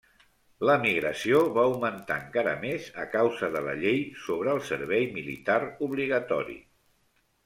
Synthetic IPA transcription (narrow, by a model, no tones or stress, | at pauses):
ləmiɣɾəsioβawmənt̪a̰əŋkaɾə̰mezəkawzəðələ̰ʎejsoβ̞ɾəːlˠsəɾβɛjmilḭt̪aɾuβliɣ̞ət̪ɔɾḭ